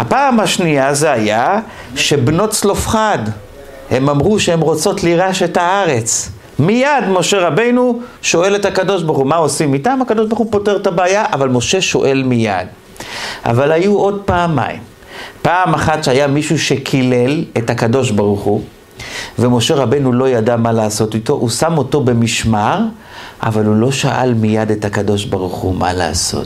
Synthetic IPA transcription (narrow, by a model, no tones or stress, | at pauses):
hapaːmhaʃniazeaja | ʃe̞bno̞tt͡slo̞fχad | he̞mamʁuʃeemʁo̞t͡so̞tliʁaʃe̞thaaʁe̞t͡s | mijadmo̞ʃe̞ʁabe̞jnuʃo̞e̞le̞thakado̞ʃbaʁχumao̞simitamhakad̪o̞ʃbaʁχupo̞teʁtabeːjaʔavalmo̞ʃe̞ʃo̞ʔe̞lmija̰d̪ | a̰valajuo̞d̚paːma̰ḭm | paːmaχatʃeajamiʃuʃe̞kʰile̞lethakado̞ʃbaʁuχu | ve̞mo̞ʃe̞ʁabejnulo̞jadamalaːso̞tito̞ʔusamoto̞be̞miʃmaʁ | a̰valulo̞ʃaʔa̰lmijadethakado̞ʃbaʁuχṵma̰la̰ːso̰t